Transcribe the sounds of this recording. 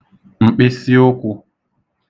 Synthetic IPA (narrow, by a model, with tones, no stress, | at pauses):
ŋ͡m̩˨k͡pe˦si˦o˦kʷu˧